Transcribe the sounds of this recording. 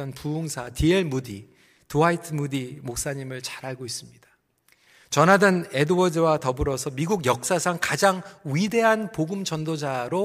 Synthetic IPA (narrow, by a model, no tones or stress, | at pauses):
ʌnpuuŋsʰatieɭmudi | toaitʰɯmudimok̚s͈aɲimɯɭt͡ɕaɾɦaɭɡois͈ɯmɲidḁ | t͡ɕʌnɦadɯne̞dowʌdɯwatʌbɯɾʌsʰʌmiɡuɡjʌk̚s͈asʰaŋkad͡ʑaŋɥide̞ɦanpoɡɯmd͡ʑʌndod͡ʑaɾo